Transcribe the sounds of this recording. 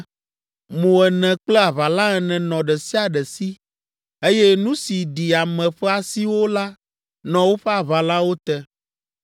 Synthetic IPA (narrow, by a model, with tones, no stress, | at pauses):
mõ˨ɛ˨nɛ̃˨k͡plɛ˦a˨βa˨la˦ɛ˨nɛ̃˨nɔ̃˨ɖɛ˨si˦a˨ɖɛ˨si˦ | e˦je˦nũ˦si˨ɖi˨a˨mɛ̃˨ɸɛ˦a˨si˦wo˦la˦ | nɔ̃˨wo˦ɸɛ˦a˨βa˨la˦wo˦t̪ɛ˦